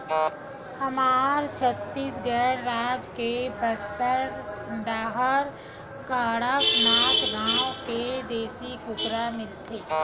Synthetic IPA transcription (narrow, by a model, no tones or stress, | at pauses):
hɐmaːɾt͡ʃʰət̪ːiːsɡɛːɽɾaːd͡ʒkebəst̪əɾɖaːɦəɾ | kaːɽəknaːkɡãːõked̪eːsikʊkɾamɪlt̪eː